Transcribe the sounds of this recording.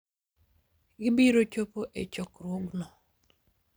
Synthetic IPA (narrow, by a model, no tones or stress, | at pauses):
ɡɪbiɾot͡ʃopoʔet͡ʃɔkrwoɡnɔ